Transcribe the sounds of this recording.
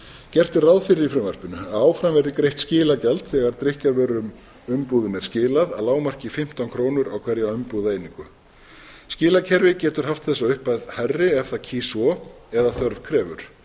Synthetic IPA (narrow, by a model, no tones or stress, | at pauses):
cɛr̥t̪ɪrawðfɪɾɪɾifɾɪmvar̥pɪnʏaaːwfɾamvɛɾðɪkɾejht̪scɪːlacalt̪θɛɣaɾt̪ɾɪhcaɾvɛːɾʏm | ʏmpuːðʏnɛɾ̥scɪːlaðaðlaːwmar̥cɪfɪm̥t̪ankʰɾoːwnʏɾawkʰv̥ɛɾjaʏmpuðeːjniŋkʏ | scɪːlacʰɛɾvɪcɛːt̪ʏɾ̥ɦaft̪θɛsːaʏhpaðharːɪɛfθacʰiːsɔɛðaθœɾv̥kʰɾɛːvʏ̰ɾ̥